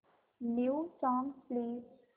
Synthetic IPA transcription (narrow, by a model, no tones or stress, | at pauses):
niːsɔ̃ŋpleːs